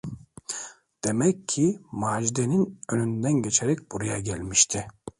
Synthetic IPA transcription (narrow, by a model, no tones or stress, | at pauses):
d̪̥e̞mɛcʰːimaːʒid̪eninønynd̪ænɟe̞t͡ʃʰeɾɛc̚b̥uɾujaɟælʲmiʃt̪ʰɪ